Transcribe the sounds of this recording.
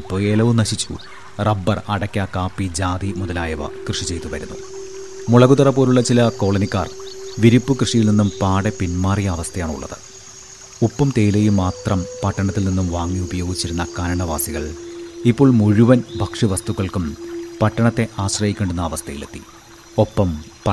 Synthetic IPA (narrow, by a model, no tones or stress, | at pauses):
ipːo̞ːeːlɐʋunɐɕit͡ɕːṵ | rɐbːɐrɐɽɐkʲːakaːpːid͡ʑaːd̪imuðɐlaːjɐʋɐ̰krɨʂit͡ɕe̞jt̪uʋɐɾunːṵ | muɭɐɣud̪ɐrɐpːoːɾuɭːɐt͡ɕilɐko̞ːɭɐnikʲːaːrʋiɾipːɨkrɨʂijilninːumpaːɽepinmaːrijɐːʋɐst̪ʰɐjaːɳṵɭːɐ̰ðɨ̥̰ | upːɐmt̪e̞ːjilejumaːt̪rɐmpɐʈːɐɳɐt̪ːilninːumʋaːŋːiubɐjo̞ːɡit͡ɕːiɾunːɐkaːɾɐɳɐʋa̰ːsiɣɐ̰ɭipːo̞ːɭmuɻuʋɐnbʱɐkʂiʋɐst̪ukːɐɭkumpɐʈːɐɳɐt̪ːe̞ʔaːɕrɐjikʲːeːɳɖunːɐːʋɐst̪ʰɐjilḛt̪ːḭ | o̞pːɐmpɐ